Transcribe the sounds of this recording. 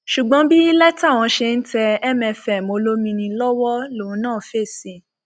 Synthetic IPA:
ʃu˨ɡ͡bɔ̃˦bi˦lɛ˦ta˦˨w̃ɔ̃˧ʃe˧n̩˦tɛ˧ɛ˦mɛ̃˧fɛ˨mo˨˧lo˦mĩ˧nĩ˧lɔ˦wɔ˦lo˨ũ˧˦nãː˦˨fe˦˨sĩ˨˧

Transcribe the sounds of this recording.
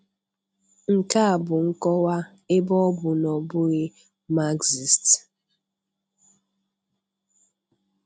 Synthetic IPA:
ŋ̩˨ka˦a˨bʊ˨ŋ̩˦kɔ˦wa˦ | e˦bɔ˦bʊ˨nɔ˨bʊ˦ɣe˦ | ma˦ɡzi˨st

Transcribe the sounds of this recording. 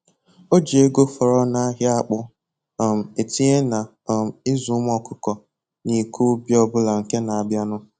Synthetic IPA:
o˦d͡ʒe˦ɡo˦fɔ˨ɾɔ˦na˦ɦja˦a˦˨k͡pʊ˦˨ | m̩˨e˨ti˦e˦na˨ | m˨ɪ˦zu˨˦m˦ɔ˦kʊ˦kɔ˨ | ni˨ku˦bi˦ɔ˦bʊ˦la˨ŋ̩˨ke˦na˨a˨bja˦nʊ˦

